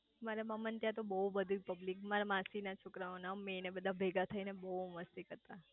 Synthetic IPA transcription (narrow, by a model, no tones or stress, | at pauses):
maɾeməmənt̪jat̪̬obəubəd̪ʱipəblikmaɾamãsinat͡ʃʰokɾaonamenebəd̪ʱabʱeɡat̪ʰəinebəuməst̪ikəɾt̪a